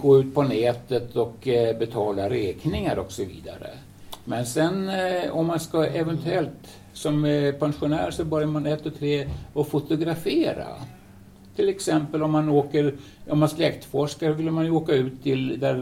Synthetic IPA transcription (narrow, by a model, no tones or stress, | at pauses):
ɡ̥oːʉ̟ːt̪̚pʰɔnɛːt̪ət̪ʰɔkbɛt̪ʰɑːlaɾɛːknɪŋaɾɔksɔvḭːd̪a̰ɾə̰ | mɛnsɛnɔmːanskaɛvɛnt̪ʰʉɛlt̪ | sɔmpʰɛnɧʊnæ̰ːɾʂɔbœɾjaɾmanɛt̪ːɔt̪ʰɾeːɔfʊt̪ʊɡɾafeːɾa̰ | t̪ʰɪlɛksɛmpəlɔmːanoːkəɾ | ʔɔmːanslɛkt̪fɔʂkaɔvɪlːəmanjɵoːkaʉ̟ːt̪ʰːɪld̪æɾ